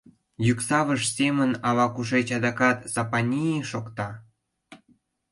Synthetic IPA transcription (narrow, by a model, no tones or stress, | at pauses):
jyksɑβəʃsemənɑβɑkuʃ̬et͡ɕɑd̪ɑkɑt̪z̥ɑpɑnʲijeʃokt̪ɑ